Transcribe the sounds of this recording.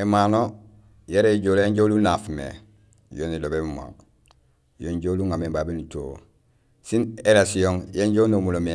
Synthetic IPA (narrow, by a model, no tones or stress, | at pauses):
emaːno | jeɾeiɟoːlẽɲɟolunafmḛ | jonilobebuma̰ŋ | joːɲɟoluŋamembaːbinuto̰ | sineɾasijoŋjeɲɟonomulome